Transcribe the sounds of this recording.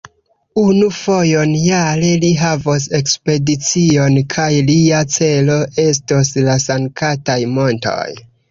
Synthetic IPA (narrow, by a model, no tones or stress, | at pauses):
unufo̞jo̞njaleliɦavos̬e̞kspe̞dit͡sio̞nkʰajliat͡se̞lo̞ʔe̞s̬toslasaŋkʰatajmo̞nto̞̰j